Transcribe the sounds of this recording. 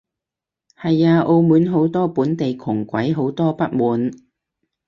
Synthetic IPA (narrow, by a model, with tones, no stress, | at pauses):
hɐ˨jaː˧ʔo˧wmuː˨˥nɦo˨˥wt̪ɔː˥puː˨˥nt̪e˨jkʰʊ˨˩ŋkʷɐ˨˥jɦo˨˥wt̪ɔː˥pɐ˥t̚muː˨˧n